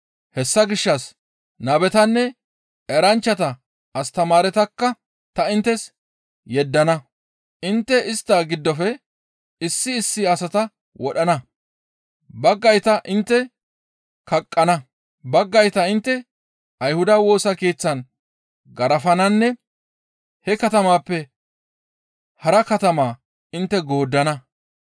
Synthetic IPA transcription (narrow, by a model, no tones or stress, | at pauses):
hɛsːɐɡɪʃːɐs | nɐbɛt̪ɐnːɛ | ɛɾɐnt͡ʃːɐt̪ɐ | ɐst̪ɐmaːɾɛt̪ɐkːɐ | t̪ɐɪnt̪ːɛs | jɛd̪ːɐnɐ | ʔɪnt̪ːɛɪst̪ːaːɡɪd̪ːɔfɛ | ɪsːɪːsːɪɐsɐt̪ɐ | wɔɗɐnɐ | bɐɡːɐjt̪ɐʔɪnt̪ːɛ | kɐkʼːɐnɐ | bɐɡːɐjt̪ɐɪnt̪ːɛ | ɐjhʊd̪ɐwo̞ːsɐke̞ːt͡sːɐn | ɡɐɾɐfɐnɐnːɛ | hɛkɐt̪ɐmaːpːɛ | hɐɾɐkɐt̪ɐmaː | ɪnt̪ːɛɡo̞ːd̪ːɐnɐ